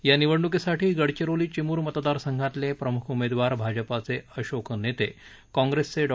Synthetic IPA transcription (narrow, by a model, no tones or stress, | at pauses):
janiʋəɽɳuk̬isaʈiːɡəɽt͡ɕeɾoliːt͡ɕimuːɾmət̪d̪aɾsəŋɡʱat̪lepɾəmukʰumed̪ʋaɾbʱad͡ʑəpat͡seəɕokʰnet̪e | kɔ̃ŋɡɾest͡seɖ